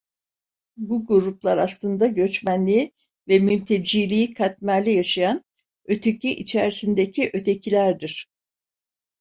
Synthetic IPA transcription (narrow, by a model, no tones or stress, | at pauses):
buɡuɾuplˠaɾaslˠɯnd̪aɟø̞t͡ʃmænlʲi | vɛmylʲt̪ʰed͡ʒiːlʲiːikʰat̪̚mæɾlʲijaʃajan | ø̞t̪ʰecʰiʔit͡ʃʰæɾisind̪ecʰiʔø̞t̪ʰe̞cʰilʲæɾd̪iɾ̥